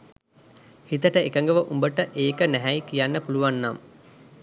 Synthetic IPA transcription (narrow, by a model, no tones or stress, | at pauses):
hit̪əʈəekəŋɡəʋəʔumbəʈəʔeːkənæɦɛjikijanːəpuluʋanːam